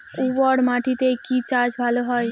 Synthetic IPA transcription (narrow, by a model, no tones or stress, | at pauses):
uwɔɽmaːʈʰit̪ekit͡ʃaːɾd͡ʒbʱalɦɔj